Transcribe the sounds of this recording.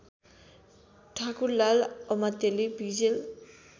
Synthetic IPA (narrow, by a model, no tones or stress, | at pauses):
ʈʰakuɾlalɔmat̪elibid͡ʑel